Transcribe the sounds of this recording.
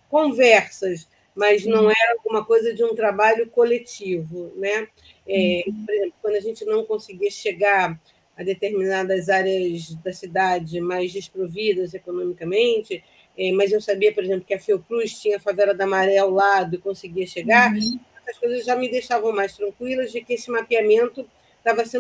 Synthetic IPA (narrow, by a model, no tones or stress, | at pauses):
kõvɛɾsɐs | mɐznɐ̃w̃ɛɾɐawɡũmɐkojzɐd͡ʒɪũt̪ɾabaʎʊkolet͡ʃivʊnɛ | ɛpoɾezẽplʊkwɐ̃nd̪ʊɐʒẽnt͡ʃɪnɐ̃w̃kõsɪɡiɐʃeɡaɾ | ɐd̪et̪eɾminad̪ɐzaɾjɐzd̪ɐsid̪ad͡ʒɪmajzd͡ʒɪʃt̪ɾovid̪ɐzekonõmikɐmẽnt͡ʃɪ | ɛmɐzewsabiɐpoɾezẽplʊkɪɐfewkɾuʃt͡ʃĩɲɐɐfavɛlɐd̪ɐmaɾɛawlad̪ʊɪkõsɪɡiɐʃeɡaɐ̃t̪ɐskojzɐzʒamɪd̪ejʃavɐ̃w̃majst̪ɾɐ̃ŋkwilɐzd͡ʒɪkɪesɪmapiamẽnt̪ʊ | t̪avɐsẽ